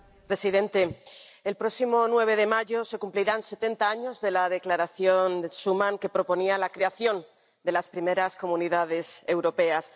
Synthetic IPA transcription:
pɾe̞siðe̞nt̪e̞elpɾo̞simo̞nwe̞β̞e̞ð̞e̞maʝo̞se̞kumpliɾanse̞t̪e̞nt̪aaɲo̞zðe̞lað̞e̞klaɾaθjo̞nd̪esumãŋke̞pɾo̞po̞nialakɾe̞aθjo̞n | d̪e̞laspɾime̞ɾasko̞muniðað̞e̞se̞wɾo̞pe̞as

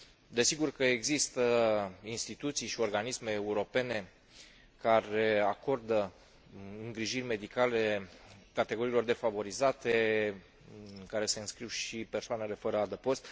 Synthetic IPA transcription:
d̪e̞siɡurkəeɡzist̪əinst̪it̪ut̪sijʃio̞rɡanisme̞ːuɾo̞pe̞ne̞ | kaɾe̞ako̞rd̪ə | ɨŋɡɾiʒirʲme̞d̪ikale̞kat̪eɡo̞ɾiːlo̞rd̪e̞favo̞ɾizat̪e | ɨkaɾe̞se̞ɨnskɾiwʃipe̞rsoane̞le̞fəɾəad̪əpo̞st̪

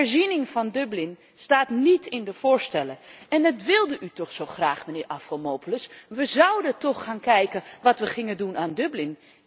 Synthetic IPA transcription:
ɛɹzinɪŋfɑndɵblɪn | staːtnitʰɪndəv̥ʊːɹstɛləɛnətʋɪlˠdəʔytɔχsoχraːχmənɪːɹʔafχolˠmoːpləsʋəzʌwdətɔχːaːnkɛjkəʋɑtʋəχɪŋəndunaːndøblɪn

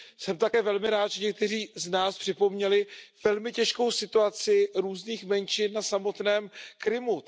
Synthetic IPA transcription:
sɛmt̪akɛːvɛlmɪɾaːt̪ʒɛɲɛk̚t̪ɛr̝iːznaːspr̥ɪpo̞mɲɛlɪvɛlmɪcɛʃko̞wsɪt̪uat͡sɪɾuːzniːxmɛnt͡ʃɪnːasamo̞t̪nɛːmkɾɪmu

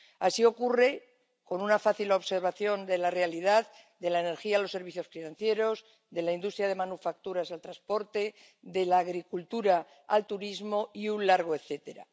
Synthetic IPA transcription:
asio̞kure̞ | ko̞nunafaθilo̞βse̞ɾβaθjo̞nd̪e̞lare̞aliðað | d̪e̞laene̞ɾxiaːlo̞sːe̞ɾβiθjo̞sfinãnθje̞ɾo̞z | ðe̞laind̪ust̪ɾjað̞e̞mãnufak̚t̪uɾasalt̪ɾaspo̞ɾt̪e̞ | ðe̞laːɣɾikult̪uɾa | a̰lt̪uɾizmo̞iunlaɾɣ̞oe̞θe̞t̪e̞ɾa̰

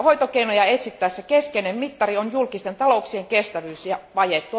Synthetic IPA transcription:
hoit̪okeinojɑet̪sit̪ːæːsːekeskeinemmit̪ːɑrionjulkist̪ent̪ɑlouksieŋkest̪æʋyːsjɑʋɑjet̪ːu

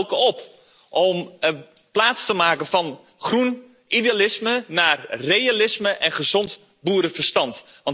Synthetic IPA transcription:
wkəɔp | ʔɔm | plaːtstəmaːkənfɑn | χrun | ʔidealɪsmənaːrːejalɪsməʔɛnχəzɔnt | buːɾəfərstɑntʋɑn

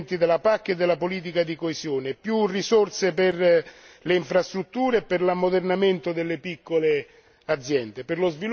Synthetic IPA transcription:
nt̪id̪elapakːed̪ːelːapoliːt̪̬ikad̪ikoesjoːnepjurːisorseperleiɱfɾast̪ɾut̪ːuːɾepːerlamːod̪ernament̪od̪elːepikːole | ad̪zjɛnd̪epɪrlozvi

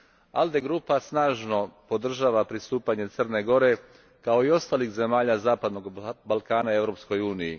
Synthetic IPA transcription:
a̰ld̪e̞ɡɾupasnaːʒno̞po̞d̪r̩ʒaːʋapɾist̪uːpaɲe̞t̪sərne̞ɡo̞ɾe̞ | kao̞io̞st̪aːlixze̞maːʎazaːpad̪noɡbalˠkaːnae̞vɾo̞psko̞juːnijḭ

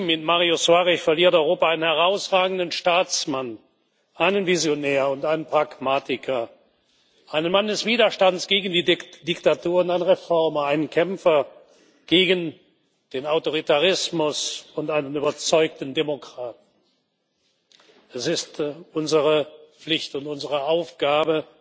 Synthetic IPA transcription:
m̩ɪtmaʁiosuaʁɪçfɛɐliːɐtɔʏʁoːpaaɪnənhɛʁaʊsʁaːɡn̩dənʃtaːt͡sman | ʔaɪnənvizjonɛːɐʊntʔaɪnənpʁ̥akmaːtɪkʰɐ | ʔaɪnənmandɛsv̥iːdɐʃtantsɡ̥eːɡən̩diːd̥ɪktatuːɐʊntaɪnəʁefɔɐmɐaɪnənkʰɛmfɐ | ɡ̥eːɡən | d̥eːnaʊtoʁ̞itaʁɪsmʊsʊntʔaɪnənyːbɐt͡sɔʏk̚tn̩demokʁ̥aːtn̩ | ɛsɪstʔʊnzəʁəflɪçtʊntʊnzəʁəaʊfɡ̥aːbə

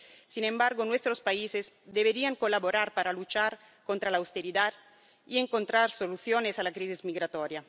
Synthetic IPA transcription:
sinẽmbaɾɡonwest̪ɾospaisez | d̪eβeɾiaŋkolaβoɾaɾpaɾalut͡ʃaɾ | kont̪ɾalaːwst̪eɾiðað | ieŋkont̪ɾaɾsoluθjonesalakɾisizmiɣɾat̪ɔɾja

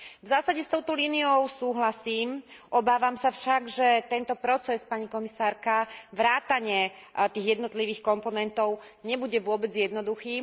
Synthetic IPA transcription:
vzaːsaɟɛst̪ɔʊt̪ɔliːniɔʊsuːɦlasiːmʔɔbaːʋamsafʃaɡʒɛt̪ɛnt̪ɔpɾɔt͡sɛspaɲikɔmisaːɾkaʋɾaːt̪aɲɪɛ | t̪iːɣjɛd̪nɔt̪liʋiːxkɔmpɔnɛnt̪ɔʊɲɛbuɟɛʋʊɔbɛd͡zjɛd̪nɔd̪uxiː

